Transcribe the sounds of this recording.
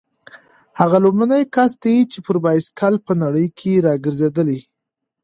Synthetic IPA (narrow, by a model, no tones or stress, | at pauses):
haɣalobmanəjkast̪ajit͡ʃepəɾbɑjskʰalpənaɽəjkʰeɾɑɡəɾzed̪əli